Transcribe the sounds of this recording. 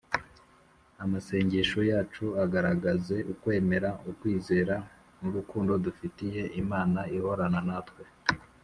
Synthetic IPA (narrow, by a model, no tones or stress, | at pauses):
amase̞ːɲɟeʃojaːt͡ʃuaɡaɾaɡaze̞ʔukwe̞ːme̞ɾaʔukwiːze̞ːɾa | muɾukuːndo̞dufitije̞ʔimaːnaiho̞ɾananatwe̞